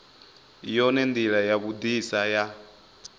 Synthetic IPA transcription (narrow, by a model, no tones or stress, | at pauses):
jɔnɛnd̪iɺajaβud̪isaja